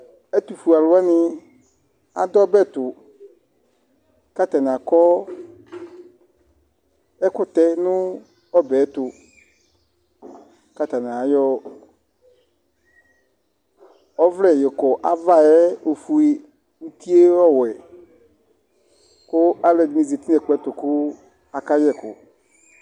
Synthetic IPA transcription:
ɛ˦tu˨fu˨a˨lʊ˨˦ɛ˦nɪ̃˦ | a̰˨dɔ˦bɛ˦tʊ˨ | ka˦ta˨n˨a˨kɔ˦ | ɛ˦kʊ˨tɛ˦nʊ̃˦ | ɔ˦bɛː˨˦tʊ˨ | ka˨ta˨n˨a˨˦jɔ˦ | ɔ˦vɾɛ˨jɛ˨kɔ˨ʔa˦va˦˨ɛ˦o˨fu˨e˦ | u˦ti˦e˦ɔ˦˨wɛ˨ | kʊ˦a˦lɛ˨dɪ˨ni˨ze˨ti˦nɛ˨k͡pɛ˨˦tʊ˨kʊ˦ | a˨ka˦jɛ˦˨kʊ̰˨

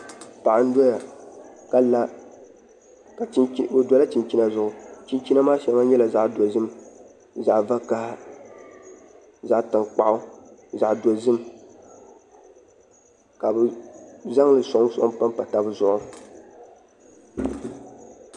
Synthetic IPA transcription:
pa˨ʔa˨n̩˦dɔ˦ja˨ka˨la˦ | ka˨˦bo˨dɔ˨˦la˦ti˨nt͡ʃi˦na˦zʊ˦ʔʊ˨t͡ʃi˦nt͡ʃi˦na˦maː˦ʃɛ˨ma˦ɲɛ˦la˨za˦ʔdo˨zɨ˦m˦ | za˨ʔva˦ka˦h | za˨˦ʔta˨ŋk͡pa˦ʔʊ˦za˨ʔdo˨zɨ˦m | ka˨bɨ˨za˦ŋlɨ˨so˨˦so˨ʔpa˦m˦pa˨ta˦bɨ˦zʊ˦˨ʔʊ˦

